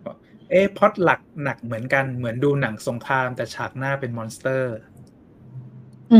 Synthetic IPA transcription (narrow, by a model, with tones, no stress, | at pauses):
ʔeː˦˥˩pʰɔ˦˥t̪̚la˨˩k̚na˨˩k̚mɯ˩˦ənka˧nmɯ˩˦ənduː˧na˩˦ŋso˩˦ŋkʰɾaː˧mt̪ɛː˨˩t͡ɕʰaː˨˩k̚naː˥˩pe˧nmɔː˧nst̪ɤː˥˩ | ʔ